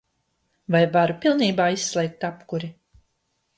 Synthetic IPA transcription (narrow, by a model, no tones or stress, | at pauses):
vajvaɾupilˠniːbaːisːlʲˠɛjk̚t̪apkuɾi